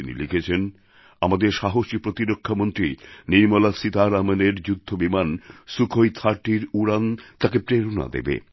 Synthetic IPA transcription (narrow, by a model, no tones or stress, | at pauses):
inḭlikʰet͡ɕʰen | amad̪eɾʃaɦoʃipɾot̪iɾokʰːamont̪ɾiniɾmolasit̪aɾameneɾd͡ʑud̪ʱːobimansukʰojt̪ʰaɾʈiɾuɾant̪akepɾeɾona̰d̪ḛbḛ